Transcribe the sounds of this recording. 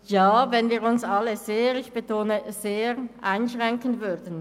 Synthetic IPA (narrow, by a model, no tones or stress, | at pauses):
jaːvɛnviːʁʊnsɑləzeːʁɪçb̥ətʰoːnəzeːʁʔaɪnʃʁɛŋkənvʏdn̩